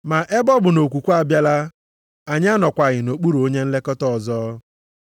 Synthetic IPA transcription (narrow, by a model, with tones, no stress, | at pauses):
ma˨ʔe˦bɔ˦bʊ˨no˨kʷu˨kʷu˦a˨bja˦la˦ | a˨ɲ˦a˦nɔ˨kʷa˨ɣɪ˨no˨k͡pu˦ɾo˦ɲe˦n̩˦le˦kɔ˦tɔ˦˨zɔː˦